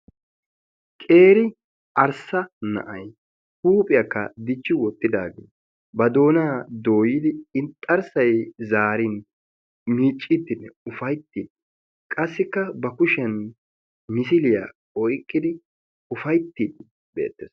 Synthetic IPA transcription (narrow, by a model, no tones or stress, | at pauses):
kʼe̞ːɾɪ | ʔɐɾsɐnɐ̰ʔɐj | huːpʼɪjɐkːɐ̰d̪ɪt͡ʃːɪwɔt̪ʼːɪd̪a̰ːɡḛː | bɐd̪o̞ːnaːd̪o̞ːjɪd̪ɪɪnt̪ʼːɐɾsɐjzaːɾɪn | miːt͡ʃʼːɪt̪ːɪnːɛʊfɐjt̪ːid̪ | kʼɐsːɪkːɐbɐkʊʃɛn | mɪsɪlɪja̰ː | ɔjkʼːɪd̪ɪ | ʊfɐjt̪ːid̪ | be̞̰ːt̪ːes